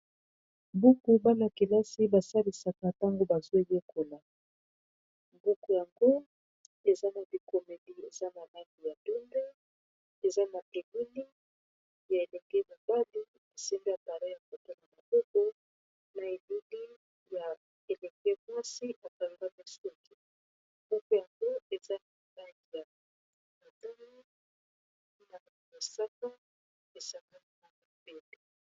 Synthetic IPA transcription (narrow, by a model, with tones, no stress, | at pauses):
bu˦ku˦ba˦na˨ki˨la˦si˦ba˨sa˦li˨sa˨ka˨ta˦ŋɡo˦ba˨zwe˦je˦kʰo˨la˨ | bu˦ku˨ja˨ŋɡo˦ | e˨za˦na˨bi˨ko˨me˨di˦e˨za˦na˨la˦ŋɡi˨ja˨du˦mbe˦ | e˨za˦na˨te˨mi˦li˦ | ja˨e˨lɛ˨ŋɡɛ˦mo˨ba˦li˦ | e˨sɛ˦mbe˦a˨pa˨la˦ja˨ko˨to˦la˨na˨bo˦ko˦ | na˨e˨lu˦li˦ | ja˨ | e˨lɛ˨ɡɛ˦mwa˦si˦ʔa˨ka˨ŋɡa˦me˦su˦ki˨ | mɔ˦ko˦ja˨ŋɡo˦e˨za˦na˨ba˦ŋi˨ja˨ | ma˨ta˦la˦ | na˨ | me˨sa˦ka˦ | e˨sa˨ŋɡa˦n˦a˦na˨be˦de˨